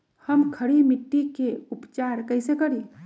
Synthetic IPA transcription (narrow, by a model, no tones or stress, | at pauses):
həmkʰəɽimiʈːikeupt͡ʃaɾkəɪsekəɾi